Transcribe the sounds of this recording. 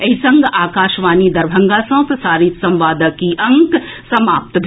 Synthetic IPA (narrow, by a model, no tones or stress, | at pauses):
ɐɦisɐ̃ŋɡʱaːkaːʃʋaːnid̪ɐɾbʱɐ̃ŋɡaːsɐ̃ːpɾəsaːɾisɐ̃mʋaːd̪əkiʔɐ̃ŋksɐmaːp̚t̪bʱ